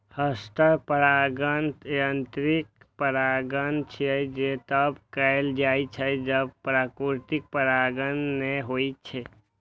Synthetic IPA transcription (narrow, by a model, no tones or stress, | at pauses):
həst̪əpəɾaɡənjənt̪ɾikpəɾaɡənt͡ʃʰiɛd͡ʒet̪əbkəeld͡ʒajt͡ʃʰəd͡ʒəbpɾakɾuɾt̪ik̚pəɾaɡənːeɦojt͡ʃʰɛ